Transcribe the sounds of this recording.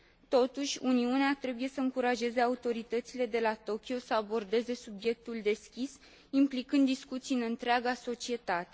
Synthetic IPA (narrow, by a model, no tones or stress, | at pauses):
t̪o̞t̪uʃʲuniuneat̪ɾe̞buje̞səɨŋkuɾaʒe̞ze̞aut̪o̞ɾit̪ət̪sile̞d̪e̞lat̪o̞kʲio̞səabo̞rd̪e̞ze̞subje̞k̚t̪uld̪e̞skʲis | implikɨnd̪ːiskut̪sijɨnɨnt̪ɾeaɡaso̞t͡ʃie̞t̪at̪e̞